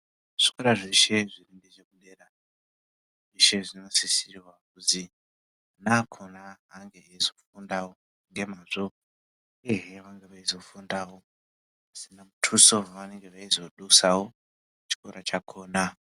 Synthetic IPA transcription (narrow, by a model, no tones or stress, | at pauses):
ʐ̥i̥koɾaʐiʃe̞ʐirindet͡ʃekuɗeːɾa | ʐiʃe̞ʐino̞sisiriwakuzi | nakʰonaːŋɡe̞ezo̞fundawo | ŋɡe̞maʐo | eɦeʋaŋɡeʋaizo̞fundaːwo̞ | asinamutʰusoʋane̞ŋɡeʋaizo̞ɗusawo̞ | t͡ʃi̥koɾat͡ʃakʰo̞ːna